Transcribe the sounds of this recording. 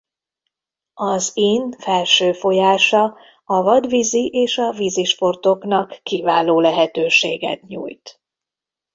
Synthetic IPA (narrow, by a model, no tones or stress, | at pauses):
ɒziːnfɛlʃøːfo̞jaːʃɒ | ɒvɒd̪viziʔeːʃɒviziʃpo̞rt̪o̞knɒkːivaːloːlɛɦɛt̪øːʃḛːɡɛ̰t̪ɲṵːjt̪